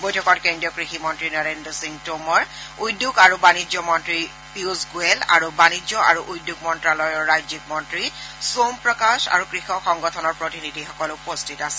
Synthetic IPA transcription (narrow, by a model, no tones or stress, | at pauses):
bɔjtʰɔkɔtkendiɔkɹiximɔntɹinɔɹendɔsiŋtomɔɹujdːukaɹubanid͡ʒɔmɔntɹi | piuzɡuɛla̰ɹubanizɔʔa̰ɹuʔujdːuɡmɔntɹalɔjɔɹɹajzik̚mɔntɹisompɹɔkaʃa̰ɹukɹixɔxɔŋɡɔtʰɔnɔɹpɹotinidʱixɔkɔlpostʰitasɛ̥